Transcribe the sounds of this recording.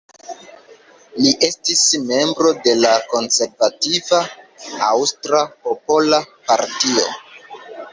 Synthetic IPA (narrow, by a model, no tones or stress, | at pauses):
liʔe̞stisme̞mbɾo̞de̞lako̞nse̞ɾvativaawstɾapo̞po̞lapaɾtio̞̰